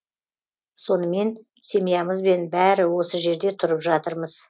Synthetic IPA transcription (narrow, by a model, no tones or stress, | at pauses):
so̞nəme̞n | se̞mijɑməzbe̞nbæɾɪwo̞səʒe̞ɾd̪e̞t̪ʰʊɾəpʒɑt̪əɾməz̥